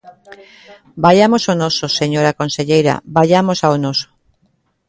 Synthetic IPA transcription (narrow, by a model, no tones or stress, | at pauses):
bajamosonososeɲoɾakonseʎejɾa̰baʎamosaonoso̥